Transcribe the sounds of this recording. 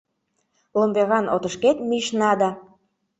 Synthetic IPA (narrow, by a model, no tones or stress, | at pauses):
lombeɣɑnʔo̰t̪ə̆ʃket̪miʃnɑd̪ɑ